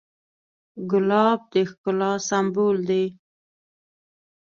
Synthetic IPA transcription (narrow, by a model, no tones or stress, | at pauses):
ɡʊlɑb̚d̪exkʊlɑsambold̪e